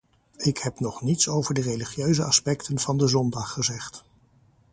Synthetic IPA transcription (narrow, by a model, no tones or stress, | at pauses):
ɪkhɛpnɔχnitsowvəɹdərejliχjøɥzəɑspɛktənv̥ɑndəzɔndɑχːəzɛχt